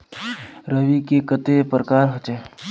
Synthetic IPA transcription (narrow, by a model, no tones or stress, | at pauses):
ɾəʋikekət̪epɾəkaːɾɦot͡ʃe